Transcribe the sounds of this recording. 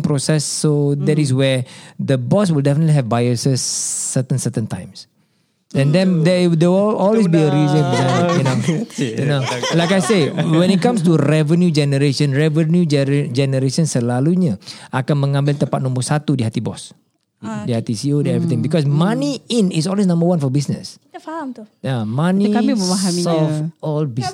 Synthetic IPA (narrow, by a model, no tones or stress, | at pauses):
ŋpɾosɛsːodɛtis̬wɛd̪əbɔs̬wildɛfənət̪liɦɛvbajusəsːət̪ə̃nsət̪ə̃ntã̰j̃ms | ɛ̃ndɛ̃ndɛdewiɔlwesbiəɾizə̃nanojnolajkajsewɛ̃nit̪̚kãmst̪uɾɛvənjud͡ʒɛnəɾeʃə̃nɹɛvənjud͡ʒd͡ʒɛnəɾesə̃nsəlaluɲaʔakanmə̃ŋãmbɪlt̪ə̃mpat̪̚nɔ̃mbəɾsat̪udiɦat̪ibɔ̰s | dihat̪isiodɛɛɹit̪ɪ̃ŋbikɔs̬maniĩnis̬ɔlwes̬nãmbəwãnfɔbisnə̰sfahamt̪ujamãnikamiməmaɦamiɔfɔlbis